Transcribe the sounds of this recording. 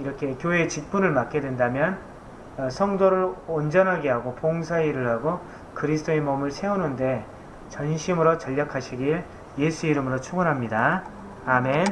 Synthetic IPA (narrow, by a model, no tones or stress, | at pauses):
iɾʌkʰe̞kjoɦe̞t͡ɕik̚p͈unɯɭmak̚k͈e̞dwe̞ndamjʌn | sʰʌŋdoɾɯɾond͡ʑʌnɦaɡe̞ɦaɡopoŋsʰaiɾɯɭɦaɡo | kɯɾisʰt͈ʰoe̞mʌmɯɭsʰe̞unɯnde̞ | t͡ɕʌnɕʰimɯɾot͡ɕʌʎːakʰaɕʰiɡiɭ | je̞sʰuiɾɯmɯɾot͡ɕʰuɡunɦamɲida | ame̞n